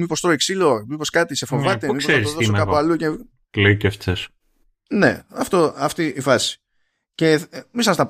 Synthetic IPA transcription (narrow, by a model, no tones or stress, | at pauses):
mipo̞st̪ɾoeksilo̞mipo̞skɐt̪ise̞fo̞vɐt̪emiksoseɾisoðosomɐualuce | kleiceft͡ses | nḛɐft̪o̞ɐft̪iːfɐsi̥ | ce̞misɐsnɐp